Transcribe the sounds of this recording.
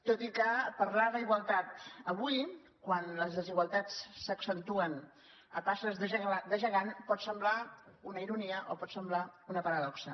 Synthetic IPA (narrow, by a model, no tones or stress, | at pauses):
t̪ot̪ikəpəɾlaðəiɣwəlˠt̪at̪əβuj | kwanləzðəziɣwəlˠt̪at͡ssəksənt̪uən | əpasəzðəʒəɣad̪əʒəɣanpɔt̪səmblaunəiɾuniəʔopɔt̪səmblaunəpəɾəðɔksə